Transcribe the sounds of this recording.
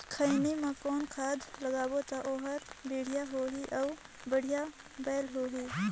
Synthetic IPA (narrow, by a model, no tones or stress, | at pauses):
kʰəɪnimãkɔːnkʰaːd̪ləɡaːwot̪aʔoːɦəɾbiːɽ̤ijaɦoːɦiʔɔ | bəɽ̤ija | bɛːlɦoːɦiː